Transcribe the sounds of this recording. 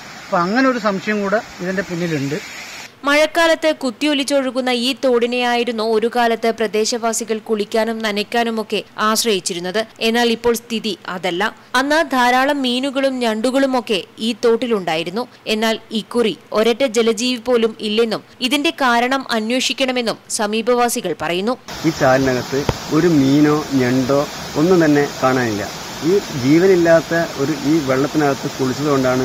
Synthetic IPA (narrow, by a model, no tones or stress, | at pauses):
poɐŋːɐneoɾusɐmʂɐjɐmkuːɽeiðɐnde̞punːiluɳɖɨmɐɻɐkːaːlɐt̪ːɨkut̪ːiolit͡ɕːo̞ɻukːunːɐiːt̪o̞ːɽinejaːjiɾunːuoɾukaːlɐt̪ːɨprɐd̪e̞ːɕɐʋaːsiɣɐɭkuɭikʲːaːnumnɐnɐkʲːaːnumo̞kːe̞aːɕrɐjit͡ɕːiɾunːɐðɨe̞nːaːɭipːo̞ːɭst̪ʰiðiʔɐðɐlːɐ | ɐnːad̪ʱaːɾaːɭɐmːiːnuɣɐɭumɲɐɳɖuɣɐɭumo̞kːe̞iːt̪ːo̞ːʈːiluɳɖaːjiɾunːu | e̞nːaːlikːurio̞ɾɐʈːɐd͡ʑe̞lɐd͡ʑiːʋipo̞ːlumilːe̞nːumiðinde̞kaːɾɐɳɐmʔɐnweːʂikʲːɐɳɐme̞nːumsɐmiːbʱɐʋaːsiɣɐɭpɐrɐjunːuiːt͡ɕaːlɐnɐɣɐt̪ːɨo̞ɾumiːno̞ːɲɐɳɖoː | onːut̪ɐnːe̞kaːɳaːnilːɐ̰ | iːd͡ʑiːʋɐnilːaːt̪ːɐo̞ɾuʔiːʋe̞ɭːɐt̪ːinɐɣɐt̪ːɨkuɭit͡ɕːɐðɨɣo̞ɳɖaːɳɨ